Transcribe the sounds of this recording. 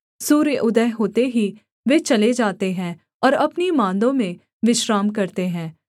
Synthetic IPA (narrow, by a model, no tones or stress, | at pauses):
suːɾjəʔʊd̪əɦɦoːt̪eɦi | ʋeːt͡ʃɐled͡ʒaːt̪eɦɛ̃ː | ɔːɾɐpnimãːnd̪õmẽ | ʋɪʃɾaːmkɐɾt̪eɦɛ̃ː